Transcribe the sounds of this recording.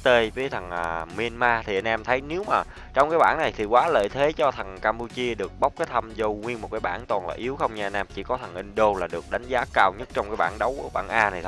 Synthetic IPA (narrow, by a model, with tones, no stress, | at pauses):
t̪e˧vəː˨˦jt̪ʰə˨˩ŋʔəː˨˩mi˧ənmaː˧t̪ʰi˨˩ʔa˧jnʔɛ˧mt̪ʰə˨˦jne˨˦wmaː˨˩ | t͡ɕɔ˧wŋ͡mkaː˨˦jɓaː˧˩˨nna˨˩jt̪ʰi˨˩kwaː˨˦lə̰ː˧˨jt̪ʰe˨˦t͡ɕɔ˧t̪ʰə˨˩ŋkaː˧mpu˧t͡ɕi˧əɗɨ˨˩ək̚ɓa˦˥wk͡p̚kaː˨˦jt̪ʰə˧mzo˧wŋwi˧ənmo˨˩t̚kaː˨˦jɓa̰ː˧˩nt̪ɔ˨˩nlaː˨˩ʔi˨˦əwxə˧wŋ͡mɲɨ˧ʔa˧jnʔɛ˧mt͡ɕḭ˧˩kɔ˨˦t̪ʰə˨˩ŋʔi˧ŋɗo˧laː˨˩ɗɨ˨˩ək̚ɗa˨˦jŋ̟zaː˨˦kaː˧wɲə˦˥t̚t͡ɕɔ˧ŋ͡mkaː˨˦jɓa̰ː˧˩nɗə˨˦wɓa̰ː˧˩nʔaː˧na˨˩jt̪ʰ